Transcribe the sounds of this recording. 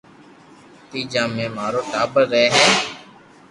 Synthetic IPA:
t̪iːd͡ʒãːmẽːmaːɾoːʈaːbəɾːɛːɦɛː

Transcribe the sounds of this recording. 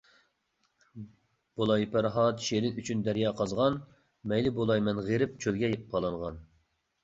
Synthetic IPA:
b̥olˠɑjpʰæɾɦɑt̪ʃeɾɪnyt͡ʃʰynd̪æɾjɑːqʰɑzʁɑn | mɛjlɪbolˠɑjmɛnʁeɾɪp̚t͡ʃʰølɡʲɛjepp̚qʰɑlˠɑŋʁɑ̰n

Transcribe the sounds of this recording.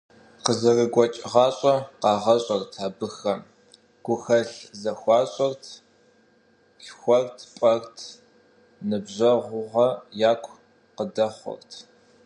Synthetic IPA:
qəzɐrɨɡʷɔt͡ʃʼʁɑːɕʼɐqɑːʁɐɕʼɐrtʰaːbɨxɐm | ɡ̥ʷʊxɐɬzɐxʷɑːɕʼɔrtʰ | xʷɔrtʰpʷʼɐrtʰ | nɨbʑɐʁʷʊʁɐjaːkʷʰ | qədɐχʷʊ̰rtʰ

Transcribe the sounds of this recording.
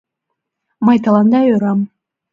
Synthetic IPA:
mɑjt̪ɑlˠɑnd̪ɑøɾɑm

